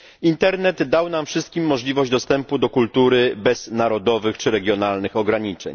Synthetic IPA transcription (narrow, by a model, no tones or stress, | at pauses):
int̪ɛɾnɛd̪ːawnamfʂɘst̪̚kʲimːɔʐlʲivɔʑd͡ʑd̪ɔst̪ɛmpud̪ɔkult̪uɾɘbɛz̥naɾɔd̪ɔvɘxt͡ʂɘɾɛɡʲjɔnalnɘxɔɡɾaɲit͡ʂɛ̰ɲ